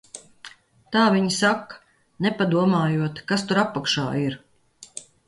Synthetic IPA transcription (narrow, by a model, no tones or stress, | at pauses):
t̪aːviɲsak | nɛpad̪uɔmaːjuɔt̪kast̪uɾapːakʃa̰ːiɾ